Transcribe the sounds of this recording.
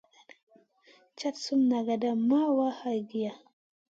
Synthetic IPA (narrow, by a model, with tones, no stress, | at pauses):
t͡ʃa˦tsu˦mna˨ɡa˨da˦ma˦wa˦ha˨jɡi˨ja˨